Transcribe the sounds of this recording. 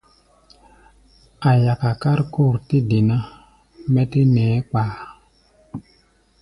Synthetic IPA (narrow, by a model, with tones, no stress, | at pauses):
a˨ja˨ka˨ka˦ɾku˦˨ɾti˦di˨na˦ | mɛ˦ti˦nɛː˨˦k͡paː˨